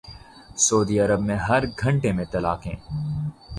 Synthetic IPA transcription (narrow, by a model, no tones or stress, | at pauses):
soːd̪iɐɾəbmẽɦɐɾɡʱɐ̃ɳʈemẽt̪ɐlaːkɦḛ̃ː